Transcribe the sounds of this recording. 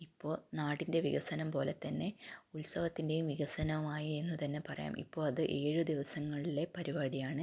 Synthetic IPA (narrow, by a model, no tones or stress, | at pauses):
ipːo̞ːɭnaːɽinde̞ʋiɣɐsɐnɐmpo̞ːle̞t̪ːɐnːe̞ulsɐʋɐt̪ːinde̞jumʋiɣɐsɐnɐumaːjie̞nːut̪ɐnːe̞pɐrɐja̰ːmʔḭpːo̞ːɭɐðɨʔe̞ːɻud̪iʋɐsɐŋːɐɭile̞pɐɾiʋaːɽijaːɳɨ